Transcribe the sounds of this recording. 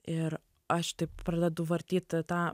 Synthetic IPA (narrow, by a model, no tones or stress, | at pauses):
ɪɾ | ɐʃt̪ɐɪppɾɐd̪ʲɛd̪ʊʋɐɾʲt̪ʲiːt̪ʲt̪ɑː